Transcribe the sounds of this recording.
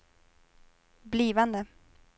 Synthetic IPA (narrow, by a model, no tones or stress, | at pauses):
bliːvand̪ə